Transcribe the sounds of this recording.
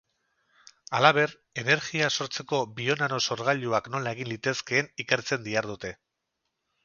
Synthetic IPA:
alaβe̞ɾ | e̞ne̞ɾɣiaso̞ɾt͡se̞ko̞bio̞naɾo̞so̞ɾɣaʎuakno̞lae̞ɣinlit̪e̞ske̞ːnike̞ɾt͡se̞nd̪iaɾðut̪e̞

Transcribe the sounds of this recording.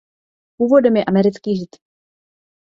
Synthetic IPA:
puːvodɛmjɛʔamɛɾɪt͡skiːʒɪt̪

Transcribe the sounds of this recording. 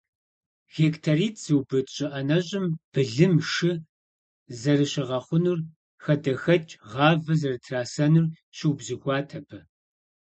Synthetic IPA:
xeːktʰariːtʰz̥ɨwbɨtʼɕʼɪʔɐnɐɕʼɪmb̥ɨɮɨmʂɨ | zɐrɨɕɪʁɐχʷʊnur | xɐdɐxɐt͡ʃʼʁɑːvɐzɐrɨtʰraːsɐnur | ɕɪwbzɨxʷɑːtʰɐbʰɐ

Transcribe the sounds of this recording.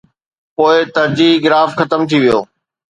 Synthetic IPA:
poːɪt̪ɐɾd͡ʑiːɡɪɾaːfxɐt̪əmt̪ʰiʋijo̰ː

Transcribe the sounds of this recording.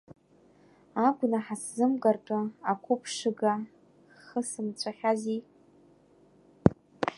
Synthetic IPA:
aɡʷʼnaħaszɨmɡʼartʼʊakʷʰʊpʰʂɨɡa | χəsɨmt͡ɕʷʰaχʲazi

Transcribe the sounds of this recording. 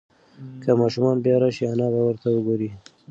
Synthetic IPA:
kʰamɑʃumɑnbjɑɾɑʃianɑbawəɾt̪awəɡoɾi

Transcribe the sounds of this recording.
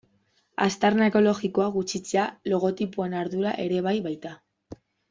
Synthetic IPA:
a̰st̪aɾnaeko̞lo̞ɣiko̞aɣut͡sit͡se̞alo̞ɣ̞o̞t̪ipue̞naɾðuɾaʔe̞ɾe̞β̞ajβajt̪a

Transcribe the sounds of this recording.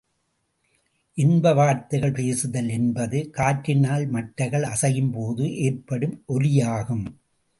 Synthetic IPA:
ʔɪnbɐʋaːɾt̪ɐɪɣɐɭpeːsɯðɐlɛnbɐðɯkaːʈɾɪnaːlmɐʈɾɐɪɣɐɭɐsɐjɯmpoːðɯʔeːrpɐɽɯmʔɔlɪjaːɣɯm

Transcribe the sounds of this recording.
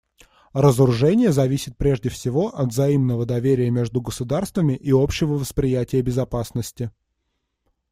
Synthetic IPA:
rəzəɾʊʐɛnʲɪjəzɐvʲisʲɪt̪̚pɾʲe̞ʐdʲɪfsʲɪvo̞ʔɐd̪zɐimnəvəd̪ɐvʲeɾʲɪjəmʲe̞ʐd̪ʊɡəsʊd̪arst̪vəmʲɪʔio̞pɕːɪvəvəspɾʲɪjætʲɪjəbʲɪzɐpasnəsʲtʲɪ

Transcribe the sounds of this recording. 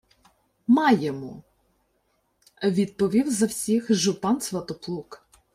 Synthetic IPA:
mɑjemu | ʋʲid̪̚pɔʋʲiwzɐwsʲixʒʊpɑnsʋɐt̪ɔplˠuk

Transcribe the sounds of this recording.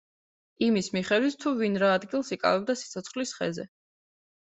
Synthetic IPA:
imismiχɛd̪wit̪ʰt̪ʰːuvinɾaːd̪ɡilˠsikʼa̰vɛbd̪asit̪sʰɔt̪sʰχlisχɛ̰zɛ̰

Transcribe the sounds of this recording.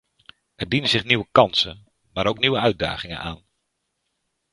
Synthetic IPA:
ɛrdinəzɪχniʋəkɑnsən | maːɾowkniʋəœɥ̚da̰ːχɪŋə̰nʔa̰ːn

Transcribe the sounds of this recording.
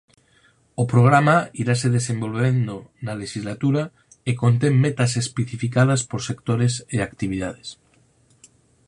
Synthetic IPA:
opɾoɣ̞ɾamaiɾaseðesembo̞lβend̪onaleʃizlat̪uɾa | ekont̪emːet̪asespeθifikað̞aspoɾsekt̪oɾeseakt̪iβ̞iðað̞es

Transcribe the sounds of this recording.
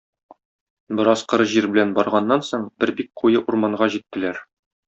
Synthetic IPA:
bɤ̆ɾɑsqɤ̆ɾɤʑiɾbɘ̆lænbɒɾʁɑnːɑnsoɴb̥ɘɾbik̚qujɤʔuɾmɑɴɢɑʑit̪ːɘ̆læɾ

